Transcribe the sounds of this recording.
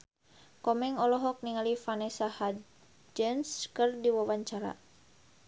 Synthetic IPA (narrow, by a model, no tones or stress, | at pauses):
kɔmɛŋɔlɔɦɔk̚niŋalifanɛsaha | d͡ʒənskɨrdiwawaɲt͡ʃaɾa̰